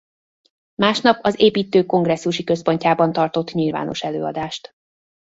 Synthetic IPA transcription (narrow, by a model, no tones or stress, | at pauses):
maːʃnɒpʰɒzeːpiːt̪øːko̞ŋɡrɛsːuʃikø̞spo̞ɲcaːbɒnt̪ɒrt̪o̞t̪ɲilva̰ːno̞̰ʃɛløːɒ̰d̪aːʃt̪